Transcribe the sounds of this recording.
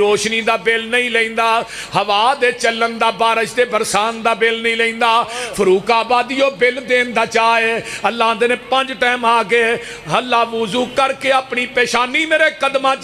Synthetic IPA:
ɾoːʃniːd̪aːbɪlnəĩːləĩːnd̪aː | həʋaːd̪eːt͡ʃələnd̪aːbaːɾəʃd̪eːbəɾsaːnd̪aːbɪlnĩːləĩːnd̪aːpʰəɾuːkaːbaːd̪ijoːbɪld̪eːnd̪aːt͡ʃaːeːəlːaːd̪eːnẽːpə̃ɲd͡ʒʈɛːmaːɡeː | əlːaːʋʊzuːkəɾkeːaːpɳiːpɛːʃaːniːmeːɾeːkəd̪mãː

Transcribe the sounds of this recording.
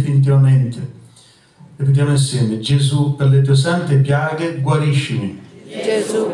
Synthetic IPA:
finit̪̬ivament̪ɪ | epid̪jamʊinsjɛːmed͡ʒezupeɾlet̪̬ues̬ant̪epjaːɡeɡwaɾiʃːɪmi

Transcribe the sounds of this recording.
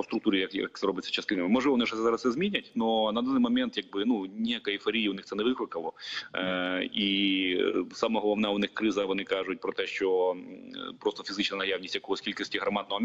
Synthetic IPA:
st̪ɾʊk̚t̪uɾʲijɐkjɐ̰k̚t̪sɛɾɔbɪt̪ʲsʲːɐt͡ʃɐslˠɪnɪmɪmɔʒʋɔnɪʒɛsʲɛzɑɾɐssɛzmʲinʲɐtʲnɔnɐd̪anːɪjmɔmʲɛnt̪jaɡ̚bɪnunʲijakɐifɔɾʲijiʊnɪxsɛnɛʋɪklˠɪkɐlˠɔ | i | samɔɦɔlˠɔwnɛʊnɪxkɾɪzɐʋɔnɪkɑʒʊt̚ʲpɾɔt̪ɛʃt͡ʃɔ | pɾɔst̪ɔfʲizɪt͡ʃnɐnɐjawnʲisʲtʲjɐkɔɦɔsʲkʲilʲkɐsʲtʲiɦɾɐmɑd̪nɔɦɔm

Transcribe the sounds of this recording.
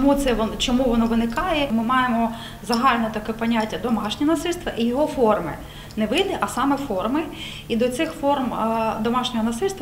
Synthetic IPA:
mut̪sɛʋ̪t͡ʃɔmuʋɔnɔʋɪnɪkɑjɛmɪmɑjemɔ | zɐɦɑlʲnɔt̪ɐkɛpɐnʲatʲːɐd̪ɔmɑʃnʲinɐsɪlʲst̪ʋɐʔijɔɦɔfɔrmɪ̰ | nɛʋɪd̪ɪʔɐsɑmɛfɔrmɪ | id̪ɔt̪sɪxfɔrmd̪ɔmɑʃnʲɔɦɔnɐsɪlʲst̪ʋ

